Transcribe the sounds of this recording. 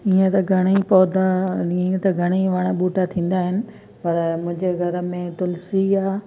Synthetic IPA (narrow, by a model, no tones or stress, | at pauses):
iːẽt̪ɐɡʱɐɽ̃ipɔːd̪aiẽt̪ɐɡʱɐɽ̃iʋɐɽ̃aɓuːʈat̪ʰĩːn̆d̪aːɦɪnɪ̆ | pɐɾmʊ̃ɦɪ̃ɲd͡ʑeɡʱɐɾə̆mẽt̪ʊlsiaː